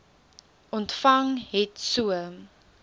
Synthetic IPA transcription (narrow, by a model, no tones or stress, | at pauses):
ʔɔntfɐŋɦɛtsuə